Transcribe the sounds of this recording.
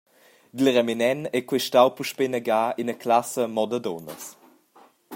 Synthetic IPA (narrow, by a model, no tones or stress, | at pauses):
d̪əlʁɛminɛnɛkwɛʃtawpuʃpenəɡaːinəklasəmɔdədɔnə̰s